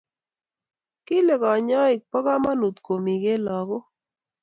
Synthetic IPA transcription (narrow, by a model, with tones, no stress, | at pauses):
ki˦le˨kɔ˨ɲɔ˦ɪ˨k̚pɔ˦ɣa˦ma˦nu˨t̪ko˨mi˨ɡe˦lɔ˨ɣo˦